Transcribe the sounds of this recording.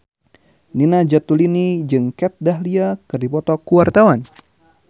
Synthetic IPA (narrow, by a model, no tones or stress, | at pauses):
ninad͡ʒat̪ulinid͡ʒɨŋkɛt̪̚daɦliakɨrdipɔt̪ɔkuwart̪awan